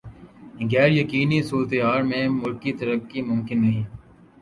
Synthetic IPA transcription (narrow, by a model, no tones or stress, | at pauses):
ɡɛːɾjəkiːnisuːɾt̪ɦaːɾmẽːmʊlkit̪əɾəkːimʊmkɪnːɐɦĩː